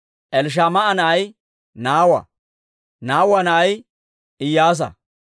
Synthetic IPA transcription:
ʔɛlʃ̬aːmɐɐnɐʔɐj | naːwɐ̰ | naːwɐnɐːj | ɪjaːs̬ɐ̰

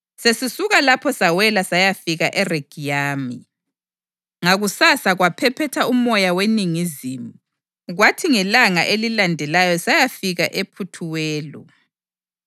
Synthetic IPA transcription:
sesisuɣalapʰɔsawɛlasajafiɣaʔɛreɡ̥ʱijaːmi | ŋaɣusasaɣwapʰɛpʰɛtʰaumɔjaweniŋiziːmu | ɣwatʰiŋɛlaŋa̰ʔelilandʱɛlajɔsajafiɣaʔepʰutʰuwɛːlɔ

